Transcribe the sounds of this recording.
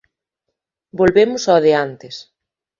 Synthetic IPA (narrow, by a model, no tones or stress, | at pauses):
bolβemʊsɔðeant̪ɪs